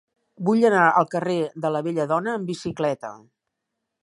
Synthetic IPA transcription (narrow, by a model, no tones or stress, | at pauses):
buʎənaʔəlˠkəreðələβeʎəðɔnəːmbisiklɛt̪ə̰